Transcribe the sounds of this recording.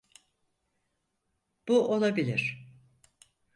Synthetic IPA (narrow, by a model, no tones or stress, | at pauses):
b̥uʔo̞lˠabilʲḭɾ̥